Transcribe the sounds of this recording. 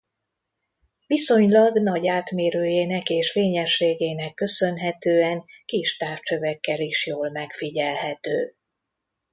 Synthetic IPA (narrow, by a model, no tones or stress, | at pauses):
viso̞ɲlɒɡnɒɟaːt̪meːɾøːjeːnɛkeːʃfeːɲɛʃeːɡeːnɛkːø̞sø̞nɦɛt̪øːɛŋkiʃt̪aːft͡ʃøvɛkːɛliʃjoːlmɛkfiɟɛlɦɛt̪øː